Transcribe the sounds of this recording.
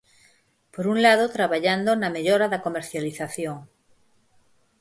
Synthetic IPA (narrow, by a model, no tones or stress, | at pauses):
poɾuŋlaðot̪ɾaβaʎand̪onameʎoɾaðakomeɾθjaliθaθjoŋ